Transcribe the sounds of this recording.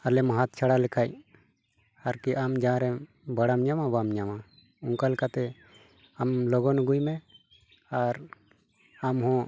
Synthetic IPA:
alɛmaɦat̪̚t͡ʃʰaɽalɛkʰaj | aɾkiʔamd͡ʒãɾɛ | bəɽamɲamabamɲama | uŋkalkat̪ɛ | amlɔɡɔnuɡujmɛ | aɾ | amɦɔ̃

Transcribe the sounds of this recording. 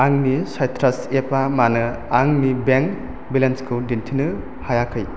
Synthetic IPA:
aŋnisajtʰɾasepamanɯ | aŋnibeŋ | bilenskʰɯdintʰinɯ | hajakʰɯj

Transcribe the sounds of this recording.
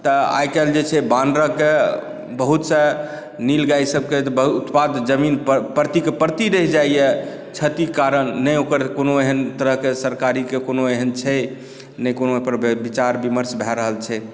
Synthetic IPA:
t̪əa̰jkɛld͡ʒet͡ʃʰɛbanɖɾəke | bəɦut̪sə̃ | niləɡajsəb̚ket̪but̪pad̪d͡ʒəminpəɾt̪ikepəɾt̪iɾəɦd͡ʒaijɛ | t͡ʃʰət̪ikaɾənːəokəɾkonoeɦənt̪əɾəɦkesəɾkaɾikekonoeɦənt͡ʃʰɛ | nəjkonoepəɾbit͡ʃaɾbiməɾsbʱɛɾəɦəlt͡ʃʰɛ

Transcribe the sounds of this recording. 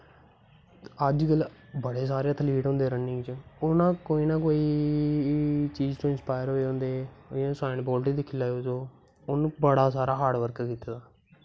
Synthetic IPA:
əd͡ʒkəlbəɽeːs̬aːɾjãːt̪ʰəliːʈɦõːnd̪eːɾənɪ̃ŋt͡ʃʊnãːkoːiːnãːkoːiː | t͡ʃiːd͡ʒt̪õːɪnspaːɪəɾɦoːeõːnd̪eːãːsaːɪnbɔːlʈiːd̪ɪkʰːɪlaːosoː | ʊnũːbəɽaːsaːɾaːɦaːɖʋəɾkkiːt̪aːd̪aː

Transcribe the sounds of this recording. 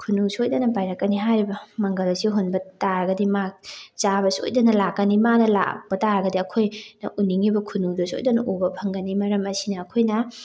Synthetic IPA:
kʰunusiojdɐnɐpajɾɐkːɐniɦajɾibɐmɐŋɡɐlɐsiɦonbɐtaɾɐɡɐdimat͡ʃabɐso̰jdɐnɐlakːɐnimanɐla̰b̥ɐtaɾɐɡɐdiɐkʰojnɐʔuniŋibɐkʰunudɐso̰jdɐnɐʔobɐpʰɐŋɡɐnimɐɾɐmɐsinɐːkʰojnɐ

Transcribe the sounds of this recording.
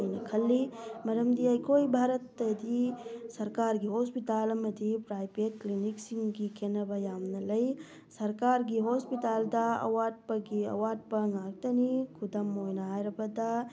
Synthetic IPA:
jnɐkʰɐlːimɐɾɐmd̪iajkoːibʱaːɾɐt̪ːɐd̪isɐɾkaːɾɡiɦoːspit̪aːlɐmɐd̪ʱipɾaːjpet̪̚kliniksiŋɡɡikenɐbɐjaːmnɐlɐj | sɐɾkaːɾɡiɦoːspit̪aːld̪aɐ̰waːɖ̚pɐɡiɐ̰waːɖ̚pɐŋaːɡ̚t̪ɐnikʰud̪ɐmoːjnɐɦaːjɾɐbɐd̪a

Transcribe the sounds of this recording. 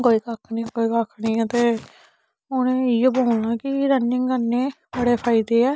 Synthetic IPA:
koːiːkaːkʰnĩːkoːiːkakʰːnĩːt̪eː | ʊnẽːiːoboːʊnãːkɪɾənːɪ̃ŋɡənːeː | bəɽeːpʰaːɪd̪eːɛː

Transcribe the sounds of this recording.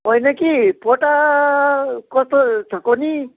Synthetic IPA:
ojnʌkipoʈa | kʌst̪ot͡sʰʌkoni

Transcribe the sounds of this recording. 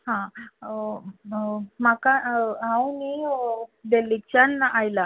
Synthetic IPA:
ɦã | makaãwni | d̪elikt͡ɕanaʔajla

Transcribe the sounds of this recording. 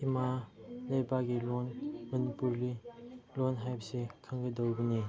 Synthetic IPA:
imalɐjbaɡilonmɐnipuɾlilonɦajbsikʰaŋɡidowɡini

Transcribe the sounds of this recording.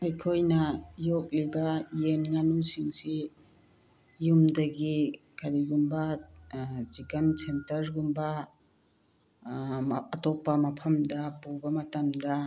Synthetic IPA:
ajkʰojnajɔk̚libajenŋanusiŋsi | jumdɐɡi | kʰalijumba | zikɐnsentɐɾɡumba | t̪ɔpːɐmɐpʰɐmdapubɐmɐt̪ɐmd̪a

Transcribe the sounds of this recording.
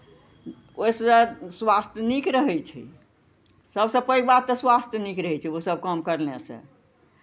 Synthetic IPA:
ojseswast̪ʰjənikɾəɦɛjt͡ʃʰḭ | səbsə̃pəibat̪ːəswast̪ʰjnikɾəɦɛt͡ʃʰiosəb̚kəmkəɾnesə̰̃

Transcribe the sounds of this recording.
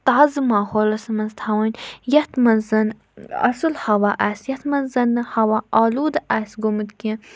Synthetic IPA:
t̪aːzɨmaːhoːlɐsmɐnzt̪ʰɐwɐnʲjɐt̪mɐnzɐn | ɐ̰sɨlhɐwaʔasjɐt̪ʰmɐnzɐnɨhɐwaʔaːluːd̪ʔasɡomɨt̪ki

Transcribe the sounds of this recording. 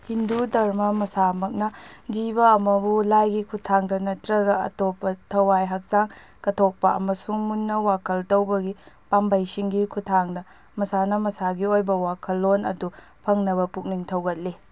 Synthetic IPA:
hindudɐɾmɐmɐsamɐk̚nɐdiβɐːmɐbulajɡikʰutʰaŋdɐnɐtɾɐɡɐɐ̰topːɐtʰɐwajɦɐk̚zaŋ | kɐtʰok̚pɐɐ̰mɐsuŋmunːɐwakʰɐltɐwbɐɡi | pambajsiŋɡikʰutʰaŋdɐ | mɐsanɐmɐsaɡiojbɐwakʰɐlːonɐ̰du | pʰɐŋnɐβɐpuk̚niŋtʰɐwɡɐt̚li

